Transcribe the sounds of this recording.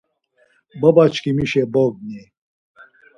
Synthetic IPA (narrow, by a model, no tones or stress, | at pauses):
bəbat͡ʃkimiʃeboɡ̚ni